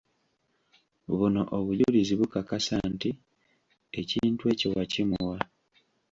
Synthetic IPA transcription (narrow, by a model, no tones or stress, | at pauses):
βuno̞ʔoβuʎuliziβukakasaːnti | eciːntue̞ːciwacimuwa